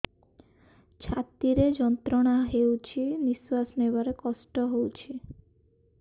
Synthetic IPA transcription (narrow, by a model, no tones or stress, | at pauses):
t͡ʃʰat̪iɾed͡ʒɔnt̪ɾɔɽ̃aɦewt͡ʃʰiniswasnebaɾekɔsʈɔɦowt͡ʃʰi